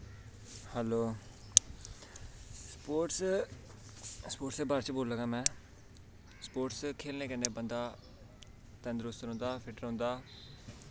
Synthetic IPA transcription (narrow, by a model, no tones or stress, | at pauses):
hɛːloː | spoːʈs | spoːʈseːbaːɾt͡ʃboːlːəɡãːmɛ̃ː | spoːʈskʰeːlnẽːkɛ̃neːbənd̪aː | t̪ə̃nd̪ɾoːst̪əɾɦʊ̃nd̪aːpʰɪʈəɾõːnd̪aː